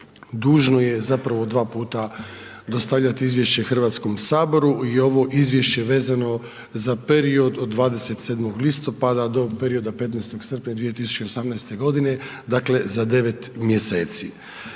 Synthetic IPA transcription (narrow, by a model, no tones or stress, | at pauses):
d̪uːʒno̞je̞zapɾaʋod̪ʋaːpuːt̪ad̪o̞st̪aʋʎat̪iizʋjeʃt͡ɕe̞xr̩ʋaːt̪sko̞msaːbo̞ɾuio̞ʋo̞ʔizʋʲje̞ʃt͡ɕe̞ʋe̞ːzano̞ | zape̞ɾio̞d̪od̪ːʋaːd̪e̞se̞t̪seːd̪mo̞ɡlist̪o̞pad̪ad̪o̞peɾio̞d̪ape̞t̪najst̪o̞ɡsr̩pɲad̪ʋije̞t̪isu̥t͡ɕeosamnajst̪e̞ɡo̞d̪ine̞d̪akle̞zad̪e̞ʋe̞t̪mjese̞ːt̪sḭ